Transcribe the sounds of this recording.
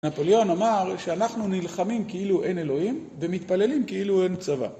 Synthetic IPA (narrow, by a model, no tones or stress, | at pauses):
napoleo̞namaʁʃeanaχnunilχamimkeiluʔe̞ne̞lo̞himvemit̪pale̞limkeiluent͡sava̰